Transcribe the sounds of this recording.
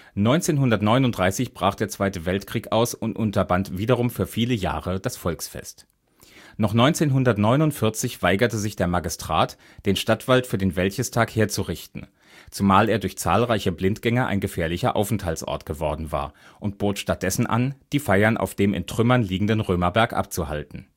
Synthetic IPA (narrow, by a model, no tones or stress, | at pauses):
nɔʏnt͡seːnɦʊndɐtnɔʏnʊntdʁaɪsɪçb̥ʁaːχd̥eːɐt͡sv̥aɪtəvɛltkʁ̥iːkʔaʊsʊntʔʊntɐbantv̥iːdɐʁ̞ʊmfyːɐfiːləja̰ːʁəd̥asfɔlksfɛ̰st | nɔχnɔʏnt͡seːnɦʊndɐtnɔʏnʊntfɪɐt͡sɪçv̥aɪɡɐtəzɪçd̥eːɐmaɡɪstʁ̥a̰ːt | d̥eːnʃtatv̥altfyːɐdeːnvɛlçəstʰaːkheːɐt͡suʁɪçtn̩ | t͡sumaːleːɐdʊɐçt͡sa̰ːlʁaɪçəblɪntɡ̥ɛŋɐʔa̰ɪnɡəfeːɐlɪçɐ̰ʔa̰ʊfn̩thaltsʔɔ̰ɐtɡ̥əvɔɐdn̩va̰ːɐʔʊnt̚b̥oːtʃtat̚d̥ɛsn̩ʔa̰nd̥iːfaɪɐnʔa̰ʊfd̥eːmɪ̰ntʁ̥ʏmɐnliːɡŋ̩dənʁøːmɐbɛɐkʔa̰p̚t͡suha̰ltn̩